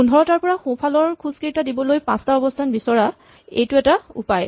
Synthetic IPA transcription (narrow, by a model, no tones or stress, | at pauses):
pundʱɔɹɔtaɹpɔɹaxõpʰalɔɹkʰuz̥kejtadibɔlojpã̰staɔbɔstʰanbisɔɹa | ḛjtʊɛtaṵpaj